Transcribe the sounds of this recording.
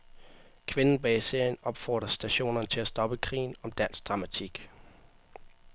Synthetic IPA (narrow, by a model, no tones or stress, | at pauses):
kʰʋe̝nn̩b̥ɛise̝ɐ̰jənɒ̽b̥fɒ̰ːd̥ʁɐsd̥æɕo̝̰ːnɐnət͡sʰe̝læsd̥ɒ̽b̥əkʰʁḭːn̩ɒ̽md̥æn̰sd̥ʁɑ̈mæt͡sʰiɡ̥